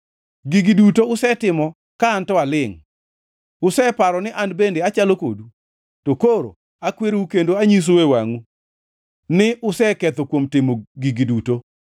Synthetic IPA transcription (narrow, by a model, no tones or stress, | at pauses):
ɡiɡidutoʊsɛtɪmɔ | kaːntɔalɪŋ | ʊsɛpaɾɔnɪʔanbendeat͡ʃaloko̰du | tokoɾo̰ | akweɾukendoaɲis̬owewa̰ŋu | nɪʔʊsɛkɛt̪okwomtɪmoɡiɡiduto